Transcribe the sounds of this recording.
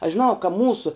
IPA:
ɐʃ ʒʲɪˈnɐʊ kɐ ˈmuːsʊ

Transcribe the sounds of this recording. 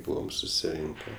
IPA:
ˈbuːʋɐm sʊsʲɪˈrʲɪŋʲkʲɛ

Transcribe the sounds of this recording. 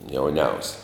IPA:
jɛʊˈnʲɛʊsʲɛ

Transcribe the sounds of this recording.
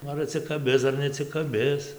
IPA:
ˈnʊ ɐr ɐtʲsʲɪkɐˈbʲɪs ɐr nʲɛɐtʲsʲɪkɐˈbʲɪs

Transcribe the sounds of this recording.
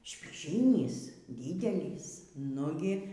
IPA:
ʃʲpʲiːˈʒʲiːnʲiːs ˈdʲiːdʲɛlʲiːs ˈnʊɡʲɪ

